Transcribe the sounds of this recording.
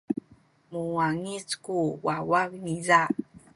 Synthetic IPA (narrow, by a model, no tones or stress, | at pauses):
muaŋit͡skuwawakniza